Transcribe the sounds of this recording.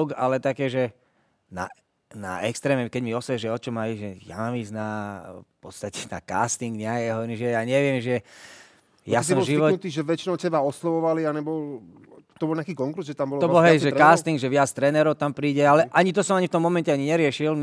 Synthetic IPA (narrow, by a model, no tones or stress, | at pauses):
ka̰lɛt̪akɛːʒɛ | na̰ | na̰ɛ̰kst̪ɾɛːmɛmkɛɟmiɔsɛʒɛɔt͡ʃɔmajiʒɛja̰mamiːznafpɔst̪acɛ̥na̰ka̰ːst̪iŋɡɲɛakːɦɔʋɔɾimʒɛjaːɲɛʋɪɛmʒɛ | jasɔmʒiʋɔut̪iːʒɛʋɛt͡ʃinɔʊsɛbaɔslɔʋɔʋalianɛbɔl | t̪ɔbɔlɲɛakiːkɔŋkɾuzʒɛt̪ambɔlt̪ɔbbɔlɦɛjʒɛkaːst̪iŋɡʒɛʋɪat͡st̪ɾɛnɛɾɔʊt̪ampɾiːɟɛalɛʔaɲit̪̬ɔsɔmaɲift̪ɔmːɔmɛncɛaɲiɲɛɾɪɛʃil